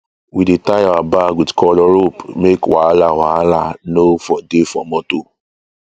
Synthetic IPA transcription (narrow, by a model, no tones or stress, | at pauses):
widetaawabawidkʰɔlɔɾopmekwaalawaalanofɔdefɔ̰mɔto